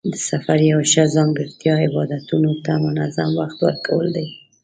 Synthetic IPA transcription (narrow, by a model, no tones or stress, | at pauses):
d̪əsafaɾjawaʃazɑŋɡəɾt̪jɑɪbɑd̪at̪unot̪amʊnazamwaxt̪wa̰ɾkʰawəld̪aj